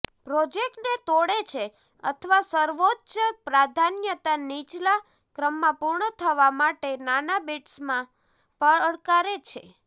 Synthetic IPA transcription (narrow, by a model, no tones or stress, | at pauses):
pɾod͡ʒek̚ʈnet̪oɽet͡ʃʰe | ə̰t̪ʰəʋasəɾʋotːʃəpɾad̪ʱanjət̪anit͡ʃla | kɾəmːãpuɾɳət̪ʰəʋamaʈenanabiʈsmã | pəəɽkaɾet͡ʃʰḛ